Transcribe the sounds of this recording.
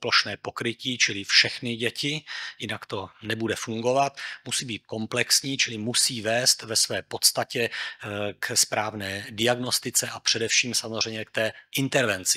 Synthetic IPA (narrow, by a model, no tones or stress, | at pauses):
ploʃnɛːpo̞kɾɪciːt͡ʃɪlɪfʃɛxnɪɟɛcɪjɪnakt̪o̞nɛbudɛfuŋɡo̞vat̪musiːbiːt̪̚ko̞mplɛksɲiːt͡ʃɪlɪmusiːvɛːst̪vɛsvɛːpo̞t̪st̪acɛ | kspɾaːvnɛːdɪaɡno̞st̪ɪt͡sɛʔapr̥ɛdɛfʃiːmsamozr̝ɛjɲɛk̚t̪ɛːʔɪnt̪ɛɾvɛnt͡sɪ̥